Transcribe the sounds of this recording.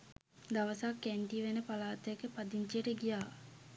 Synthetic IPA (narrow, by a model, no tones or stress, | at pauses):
d̪aʋəsakːæɳʈiʋenəpalaːt̪ɛkəpad̪iɲt͡ʃijəʈəɡijaː